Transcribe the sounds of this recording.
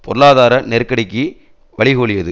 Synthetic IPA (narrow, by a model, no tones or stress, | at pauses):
pɔɾɯlaːðaːɾɐnɛɾkːɐɽɪkːi | ʋɐɭɪɣoːɭɪjɐðɯ